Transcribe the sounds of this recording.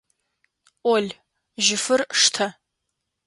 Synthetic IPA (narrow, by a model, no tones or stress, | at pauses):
olʲ | ʒɪfɨrʂtʰɐ